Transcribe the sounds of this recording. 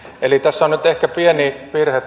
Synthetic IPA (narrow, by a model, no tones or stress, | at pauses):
elit̪æsːonnyt̪ehkæpienipirhet̪